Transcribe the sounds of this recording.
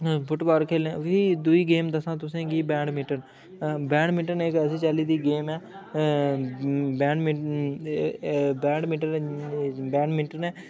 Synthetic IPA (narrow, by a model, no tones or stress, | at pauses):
bʊʈbaːɾkʰeːlẽːʋiːd̪ʊiːɡeːmd̪əsãːt̪ʊsẽːɡiːbɛ̃ːɳɖmɪʈən | bɛ̃ːɳɖmɪʈənekəsĩːt͡ʃaːliːd̪iːɡeːmɛː | bɛːɳɖmɪ | bɛ̃ːɳɖmiːʈən | bɛːɳmɪʈənɛː